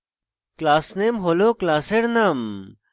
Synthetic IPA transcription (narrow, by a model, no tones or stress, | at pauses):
klaːsnemɦoloklaːseɾnam